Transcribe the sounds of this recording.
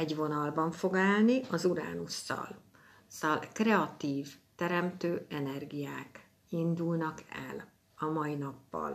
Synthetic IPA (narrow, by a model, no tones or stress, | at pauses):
ɛɟvo̞nɒlbɒɱfo̞ɡaːlniʔɒzuɾa̰ːnusːɒ̰l | sɒlkrɛɒt̪iːvt̪ɛɾɛmt̪øːɛnɛrɡijaːk | ind̪ulnɒkɛ̰l | ɒmɒinɒpːɒ̰l